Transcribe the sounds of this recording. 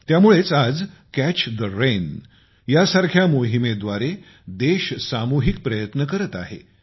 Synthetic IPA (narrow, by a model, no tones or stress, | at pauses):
t̪jamuɭet͡sad͡z | kæt͡ɕd̪əɾen | jasaɾkʰjamoɦimed̪ʋaɾe | d̪eɕsamuɦik̚pɾəjət̪nəkəɾət̪a̰ɦḛ